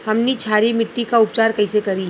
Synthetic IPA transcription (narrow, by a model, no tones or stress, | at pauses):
hɐmnit͡ʃʰaːɾimɪʈːikaʊp̚t͡ʃaːɾkɐɪsekɐɾi